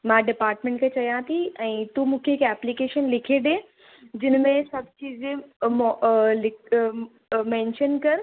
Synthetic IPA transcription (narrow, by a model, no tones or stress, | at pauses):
mãɖɪpaːɾʈmẽːɳʈkʰet͡ɕɐjãt̪ʰiɛ̃ːt̪umũːkʰeɪkɛːplikeːʃənlɪkʰeɗ̪ẽː | d͡ʑɪnmẽsɐbʱt͡ɕiːd͡ʑẽmɔlɪk | mɛ̃ːnʃənkɐɾ